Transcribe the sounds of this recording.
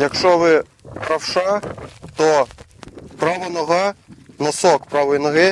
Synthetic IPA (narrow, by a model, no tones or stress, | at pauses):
jɐkʃt͡ʂɔʋɪ | pɾɐwʂat̪ɔ | pɾaʋɔnɔɣanɔsɔkpɾaʋɔjnɐɣɪ